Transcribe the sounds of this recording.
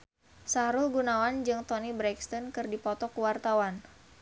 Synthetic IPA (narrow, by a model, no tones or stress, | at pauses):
saɾʊlɡunawand͡ʒɨŋt̪ɔnibɾɛkst̪ɔnkɨrdipɔt̪ɔkuwart̪awan